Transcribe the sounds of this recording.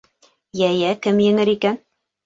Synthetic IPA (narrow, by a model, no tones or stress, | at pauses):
jæjækɘmjɘ̆ŋɘɾikæn